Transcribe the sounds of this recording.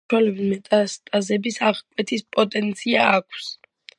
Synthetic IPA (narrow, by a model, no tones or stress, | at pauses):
alɛbimɛt̪ʼast̪ʼazɛbisaʁkʼwɛt̪ʰispʼɔt̪ʼɛnt̪sʰiaːkʰs